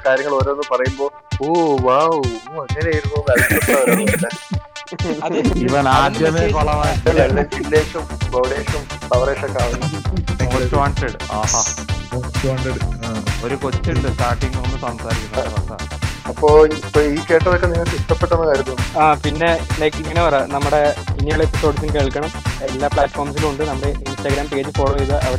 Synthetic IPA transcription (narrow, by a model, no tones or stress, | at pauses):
kaːɾjɐŋːɐɭoːɾoːnːɨpɐrɐjumbo̞ː | oːʋaːwoːɐŋːɐnaːjiɾumboːʋeːlkɐlɐaːʋɐnlːe | ɐðiʋɐnaːd̪ʱjɐmekoɭɐmaːjɐlelɖed͡ʑilːeːʂɐmbɐwɽeːʂɐmsɐʋɐɾeːʂɐkːaːʋunːukot͡ɕːɐʋaːɳʈeɽɨaːɦaːot͡ɕaɖeɽoɾukot͡ɕːuɳɖɨsʈaːʈːiŋɡnonːɨsɐmsaːɾikʲːunːɐɐʋɐsa̰ɐpːoːpːoiːkeːʈːɐlokːeniŋːɐɭt̪iʂʈ̪ɐpːeʈːɐnːɐnɐɾut̪ːuaːpinːe̞lɐjkːiŋːɐnepɐrenɐmːuɽe̞pinːijuɭepːisoːɖsɨmkeːɭkːɐɳɐmelːaːpɭaːʈfoːrmsiluɳɖɨnɐmːuɽeinsʈːɐɡɾaːmpeːt͡ɕːɨfoːʈoiðɐʔɐʋɐɽ